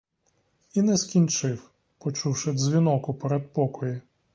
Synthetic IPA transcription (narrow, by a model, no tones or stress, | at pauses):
inɛskʲint͡ʃɪw | pɔt͡ʃuwʃɪd̪zʲʋʲinɔkʊpɛɾɛd̪̚pɔkɔji